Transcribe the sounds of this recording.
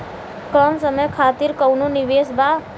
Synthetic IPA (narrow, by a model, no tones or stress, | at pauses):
kəmsəməjkʰaːt̪iɾkəwnoniʋeːsba